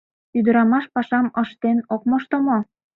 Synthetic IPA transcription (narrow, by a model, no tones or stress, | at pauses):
yd̪ə̆ɾɑmɑʃpɑʃɑməʃt̪enok̚moʃt̪omo